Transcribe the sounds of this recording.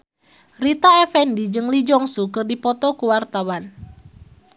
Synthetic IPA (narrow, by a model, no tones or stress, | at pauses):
rit̪aɛfɛndid͡ʒɨŋlid͡ʒɔŋsukɨrdipɔt̪ɔkuwart̪awan